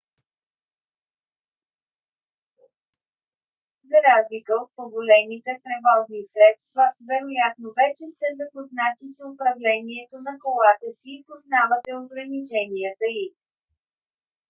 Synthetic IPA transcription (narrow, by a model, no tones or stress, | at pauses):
zɐɾazlikəot̪̚poɡolɛnit̪ɛt̪ɾɛvɔznisɾɛt̪st̪vəvɛɾojat̪novɛt͡ʃɛst̪ɛzɐpoznat̪isʊpɾɐvlɛniɛt̪onɐkolˠat̪əsiːpoznavət̪ɛoɡɾɐnit͡ʃɛniət̪əi